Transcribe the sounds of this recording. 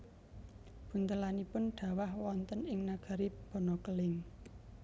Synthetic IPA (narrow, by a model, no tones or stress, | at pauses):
b̥ṳnt̪əlanipʊnɖ̪̥a̤wahwɔnt̪ənɪŋnaɡ̥a̤ɾib̥ɔ̤nɔkəlɪŋ